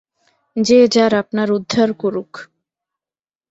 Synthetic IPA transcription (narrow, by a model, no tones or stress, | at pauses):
d͡ʑed͡ʑaɾapnaɾud̪ʱːaɾkoɾuk